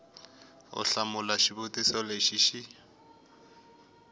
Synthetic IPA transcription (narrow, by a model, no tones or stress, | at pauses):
ʊ̰ɬamʊlaʃibʊtʼisɔleʃiʃi